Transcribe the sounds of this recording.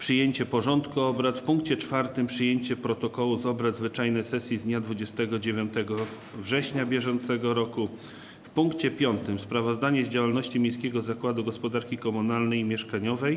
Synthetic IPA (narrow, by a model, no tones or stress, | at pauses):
pʂɘjeɲt͡ɕɛpɔʐɔnt̪kuɔbɾat̪fpuŋkt͡ɕɛt͡ʂfaɾt̪ɘmpʂɘjeɲt͡ɕɛpɾɔt̪ɔkɔwuzɔbɾad̪zvɘt͡ʂajnɛjsɛsʲjizd̪ɲad̪vud͡ʑɛst̪ɛɡɔd͡ʑevʲjɔnt̪ɛɡɔ | vʐɛɕɲabʲjɛʐɔnt̪sɛɡɔɾɔku | fpuŋkt͡ɕɛpʲjɔnt̪ɘmspɾavɔzd̪aɲɛzd͡ʑawalnɔɕt͡ɕimʲjẽj̃skʲɛɡɔzakwad̪uɡɔspɔd̪aɾkʲikɔmunalnɛjmʲjɛʂkaɲɔvɛj